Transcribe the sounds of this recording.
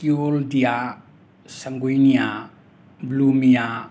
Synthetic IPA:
kioldija | sɐŋɡujnija | blumija

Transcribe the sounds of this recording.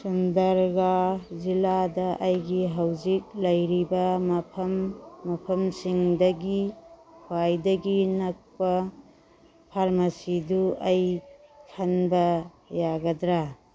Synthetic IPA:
sundɐɾɡaziladɐʔɐjɡiɦawzik̚lɐjɾibɐmɐpʰɐmːɐpʰɐmsiŋdɐɡikʰuajdɐɡinɐk̚pɐ | pʰaɾmɐsiduɐjkʰɐnbɐ | jaɡɐdɾa

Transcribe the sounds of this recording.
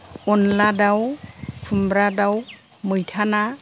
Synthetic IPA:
ʊnladawkʰumbɾadaw | mujtʰana

